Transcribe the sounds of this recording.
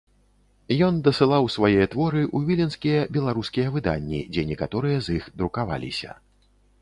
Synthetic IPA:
jɔnd̪ɐsɨlˠawsvajɛjɛt̪vɔɾɨʔuvʲilʲɛnskʲijɐbʲɛlˠaɾuskʲijɐvɨd̪a̰nʲːḭd͡zʲɛnʲɛkat̪ɔɾɨjɐzixd̪ɾukava̰lʲḭsʲɐ̰

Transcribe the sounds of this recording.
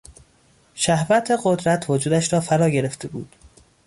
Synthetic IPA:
ʃæhvæt̪ʰeɢod̪ɾæt̪ʰvod͡ʒuːd̪æʃɾɒːfæɾɒːɟe̞ɾe̞ft̪ʰe̞bṵːd̪̥

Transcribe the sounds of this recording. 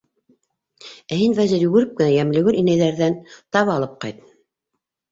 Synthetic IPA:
æhinvæzɘɾjʉɣɘ̆ɾɘp̚kɘ̆næjæmlɘ̆ɡɘɾinæjðæɾðænt̪ɑβɑlˠɤp̚qɑjt̪

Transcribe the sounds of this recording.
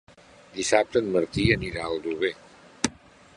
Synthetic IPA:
d̪isap̚t̪ənməɾt̪iəniɾaəlˠd̪uβe

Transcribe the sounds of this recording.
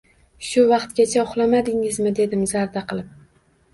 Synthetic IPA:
ʃʊvɑqt̪ɡʲat͡ʃʰaʊχlˠamad̪ɪŋɪzmɪd̪e̞d̪ɪmzaɾd̪aqɨlˠɪp̚

